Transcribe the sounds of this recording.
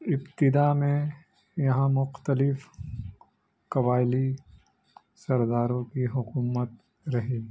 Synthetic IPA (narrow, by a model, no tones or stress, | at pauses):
ɪbt̪ɪd̪amẽ | jɐɦãmʊqt̪əlɪf | kɐbaːɪli | sɐɾd̪aːɾõkiɦʊkuːmət̪ | ɾɐɦeː